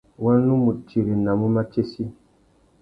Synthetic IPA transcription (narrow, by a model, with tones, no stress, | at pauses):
wa˦n˦nu˦mu˨t̚t͡ʃi˨ɾe˨na˨mu˦ma˦t͡ʃe˦si˦